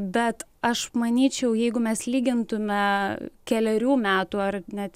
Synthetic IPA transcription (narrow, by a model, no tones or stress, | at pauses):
bʲɛt̪ɐʃmɐnʲiːt͡ʃʲɛʊjɛɪɡʊmʲɛslʲiːɡʲɪnt̪ʊmʲɛkʲɛlʲɛɾʲuːmʲæːt̪uːɐrnʲɛt̪